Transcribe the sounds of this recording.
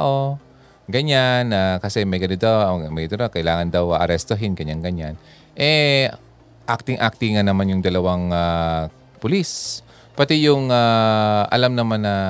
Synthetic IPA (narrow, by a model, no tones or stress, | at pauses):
ʔo | ɡɐɲanakɐsɛmɐjɡɐnod̪awmɐjd̪nokɐʔɪlaːŋɐnd̪ɐwɐʔɐɾɛst̪oɦɪnɡɐɲaŋɡɐɲan | ʔɛ | ʔak̚t̪ɪŋʔak̚t̪iŋɐnɐmanjʊŋd̪ɐlɐwaŋa | pʊlis | pɐt̪ɛjʊŋaʔɐ̰lamnɐmanːɐ